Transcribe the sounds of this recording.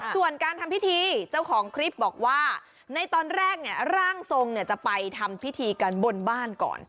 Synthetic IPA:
su˨˩ənkaː˧nt̪ʰa˧mpi˦˥t̪ʰiː˧t͡ɕa˥˩wkʰɔː˩˦ŋkʰɾi˦˥p̚bɔː˨˩k̚waː˥˩ | na˧jt̪ɔː˧nɾɛː˥˩k̚ni˥˩ɐɾaː˥˩ŋso˧ŋni˥˩ɐt͡ɕa˨˩pa˧jt̪ʰa˧mpʰi˦˥t̪ʰiː˧ka˧nbo˧nbaː˥˩nkɔ̰ː˨˩n

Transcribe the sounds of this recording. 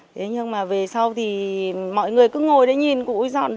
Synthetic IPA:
t̪ʰe˨˦ɲɨ˧ŋmaː˨˩ve˨˩sa˧wt̪ʰi˨˩mɔ̰˧˨jŋɨ˨˩əjkɨ˨˦ŋo˨˩jɗḛ˨˧˦ɲi˨˩nkṵ˧˨˧zɔ̰˧˨nɗ

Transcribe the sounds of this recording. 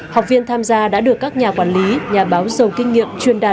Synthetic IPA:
hɔ˨˩wk͡p̚vi˧ənt̪ʰaː˧mzaː˧ɗa̰ː˧˥ɗɨ˨˩əkːa˦˥k̚ɲaː˨˩kwaː˧˩nli˨˦ɲaː˨˩ɓaː˨˦wzə˨˩wkï˧ŋ̟ŋḭ˧˨əmt͡ɕwi˧ənɗaː˨˩

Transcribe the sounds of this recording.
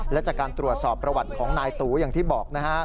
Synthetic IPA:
lɛ˦˥t͡ɕaː˨˩kaː˧nt̪ɾu˨˩ət̪̚sɔː˨˩pːɾa˧wa˨˩t̪̚kʰɔː˩˦ŋnaː˧jt̪uː˩˦jaː˨˩ŋt̪ʰiː˥˩bɔː˨˩k̚na˦˥kʰa˦˥

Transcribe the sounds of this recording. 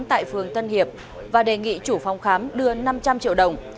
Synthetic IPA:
mt̪a̰ː˧˨jfɨ˨˩əŋt̪ə˧nhi˨˩əp̚ | vaː˨˩ɗe˨˩ŋḭ˧˨t͡ɕu˧˩fa˧˩wŋ͡mxaː˨˦mɗɨ˧əna˧mt͡ɕa˧mt͡ɕḭ˧əwɗə˨˩wŋ͡m

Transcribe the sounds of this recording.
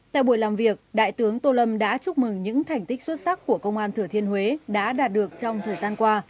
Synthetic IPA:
t̪a̰ː˧˨jɓu˧˩jlaː˨˩mvi˨˩ək̚ɗa̰ː˧˨jt̪ɨ˨˦əŋt̪o˧lə˧mɗa̰ː˧˥t͡ɕʊ˦˥k͡p̚mɨ˨˩ŋɲɨ̰˧˥ŋt̪ʰa˨˩jŋ̟t̪ï˦˥k̟̚swə˦˥t̚sa˦˥kːu˧˩əkə˧wŋ͡mʔaː˧nt̪ʰɨ˧˩ət̪ʰi˧ənhwe˨˦ɗa̰ː˧˥ɗaː˨˩t̚ɗɨ˨˩ək̚t͡ɕɔ˧wŋ͡mt̪ʰəː˨˩jzaː˧nkwaː˧

